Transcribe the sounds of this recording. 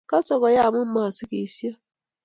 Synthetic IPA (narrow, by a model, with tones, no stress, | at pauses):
ka˦sɔ˨kɔ˨ja˦a˨mʊ˦m̩˦ma˨sɪ˦ke˨si˦a˦